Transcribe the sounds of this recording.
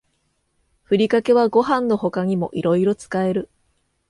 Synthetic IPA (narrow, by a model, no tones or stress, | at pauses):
ɸɯ̟ɾʲikake̞β̞aɡo̞ɦãnːo̞ɦo̞kaɲ̟imo̞̰ʔiɾo̞iɾo̞t͡sɨ̥kae̞ɾɯ̟